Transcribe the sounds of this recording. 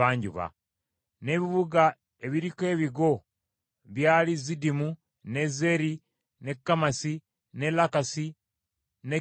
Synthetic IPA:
aːɲɟṵβa̰ | ne̞βiβuɡa | e̞βiɾike̞ːβiɡo̞ | βjaːlizidimu | ne̞zeɾi | nekːamasi | ne̞lakasi | ne

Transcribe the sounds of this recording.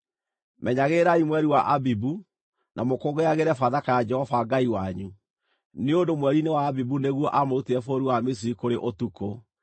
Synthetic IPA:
mʔɛɲaɣeɾaimwɛɾiwaʔabibu | nʔamokoɡeaɣeɾɛfaðakajad͡ʒɛhɔfaɡaiwaɲu | neondomwɛɾinewaːbibuneɣwɔʔamouteɛfoɾiwames̬iɾikoɾeʔotuko

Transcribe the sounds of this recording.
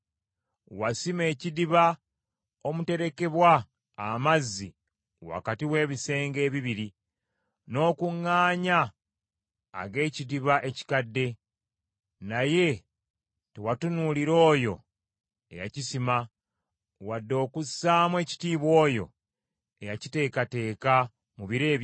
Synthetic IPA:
wasime̞ːcidiβa | o̞mute̞ɾe̞ke̞βwaː | mazːi | wa̰katiwe̞ːβise̞ːŋɡe̞ːβiβiɾi | no̞ːkuŋːaːɲa | ɡe̞ːcidiβaʔe̞ci̥kadːe̞ | naje̞ | tewatunuliɾo̞ːjo̞ | e̞̰ja̰cisima | wadːo̞ːkusːaːmwe̞ːci̥tiːβwo̞ːjo̞̰ | ejacite̞ːkate̞ːka | muβiɾe̞ːβ

